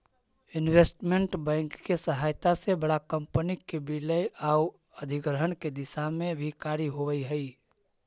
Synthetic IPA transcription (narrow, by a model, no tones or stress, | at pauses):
ɪnweːsʈmẽɳʈbɛ̃ːŋkːesəɦaːjt̪asebəɽakəmpənikebɪləjaːu | əd̪ʱɪɡɾəɦənked̪ɪsamẽbʱikaːɾiɦoʋəiɦəi